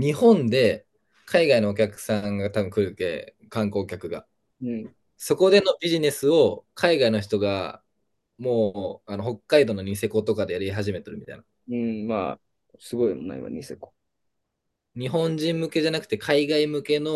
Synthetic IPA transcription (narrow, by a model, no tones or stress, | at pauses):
ɲ̟ihõ̞nd̪e̞ | kʰaiɡaino̞ːkʲakɯ̟̥sãŋɡat̪abɯ̟̃ŋkɯ̟ɾɯkḛ | kãŋko̞ːkʲakɯ̟ɡa̰ | ɯ̟̃ | so̞ko̞d̪e̞no̞bʲiʑine̞sɨo̞kʰaiɡaino̞çi̥t̪oɡa̰ | mo̞ːano̞ɦo̞kːaid̪o̞no̞ɲ̟is̬e̞ko̞t̪o̞kad̪e̞jaɾiɦaʑime̞t̪eɾɯ̟mʲit̪a̰ḭna | ɯ̟̃ma̰ | sɨɡo̞imona̰ḭma̰ɲiseko̥ | ɲ̟iɦõ̞ɲd͡ʑĩmːɯ̟ke̞ʑanakɯ̟t̪ekʰaiɡaimɯ̟ke̞no̞